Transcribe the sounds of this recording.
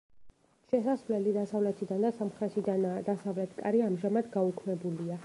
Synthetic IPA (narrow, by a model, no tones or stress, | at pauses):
ʃɛsasvlɛlid̪asavlɛt̪ʰid̪and̪asamχɾɛtʃid̪d̪asavlɛt̪ʰkʼa̰ɾiamʒamad̪ɡaukʰmɛbulia